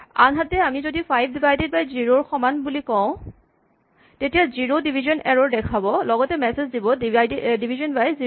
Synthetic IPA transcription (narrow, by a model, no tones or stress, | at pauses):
anɦatɛamizodipʰajb̚dibajded̚bajziɹoɹxɔmanbulikɔ̃ʊ̃ | tetijaziɹodibʱizɔnʔɛɹɔɹdɛkʰabɔlɔɡɔtɛmɛsezdibɔjddibʱizɔnbajzi